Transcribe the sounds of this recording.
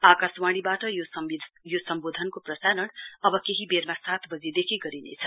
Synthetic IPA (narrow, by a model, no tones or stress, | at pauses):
akaswaɽ̃ibaʈʌjosʌid̪ʱjosʌmbod̪ʱʌnkoprʌsaɾʌnʌbʌkeɦibeɾmasat̪ʰbʌd͡zid̪ekʰiɡʌɾinḛt͡sʰʌ